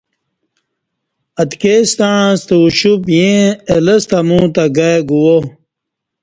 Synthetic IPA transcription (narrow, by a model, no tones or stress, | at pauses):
ɐt̪kest̪aãst̪euɕupjẽelɐst̪ɐmũːt̪aɡajɡuwo